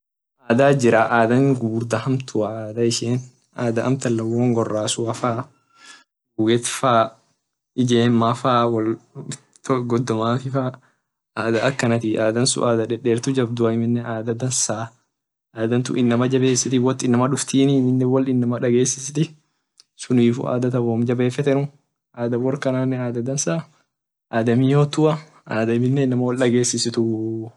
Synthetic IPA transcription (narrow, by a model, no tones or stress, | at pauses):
ʔaːd̪aːd͡ʒɪɾaʔaːd̪ɐŋɡubɾd̪ɐhɐmt̪ʰʊɐaːd̪ɐɪʃeːn | ʔaːd̪ɐʔɐ̰mt̪ɐlːɐwɔːŋɡɔrːaːsʊɐfaː | uːɡɛt̪faː | ɪd͡ʒeːmːafaːwɐl | t̪ɡɔd̪ːɔmaːfɪfaː | aːd̪ɐɐkːɐnɐt̪ɪʔaːd̪ɐnsʊ̰ʔaːd̪ɐᶑɛᶑeːɾt̪ʊd͡ʒɐbd̪ʊɐɪmɪnːɛaːd̪ɐd̪ɐnsaː | ʔaːd̪ɐnt̪ʊ̰ʔɪnːɐmɐd͡ʒɐbe̞ːsɪt̪ɪwɔt̪ːɪnːɐmɐᶑʊft̪iːnɪmɪnːɛwɐlɪnːɐmɐᶑɐɡe̞ːsːɪsɪt̪ɪ | sʊniːfʊ̰ʔa̰ːd̪ɐt̪ɐboːmd͡ʒɐbe̞ːfɛt̪ɛnʊ | ʔaːd̪ɐbɔɾkɐnaːnːɛaːd̪ɐd̪ɐnsaː | ʔaːd̪ɐmiːjoːt̪ːʊɐ | aːd̪ɐɪmɪnːɛɪnːɐmɐwɐlᶑɐɡe̞ːsːɪsɪt̪ʊ